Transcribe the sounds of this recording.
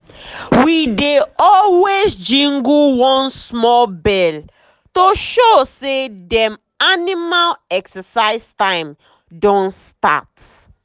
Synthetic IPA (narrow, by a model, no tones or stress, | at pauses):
wideɔlwesd͡ʒĩŋɡuwɔ̃nsmɔlbɛl | toʃosedɛ̃m | animalɛksəsaɪstãɪ̃m | dɔ̃nsta̰t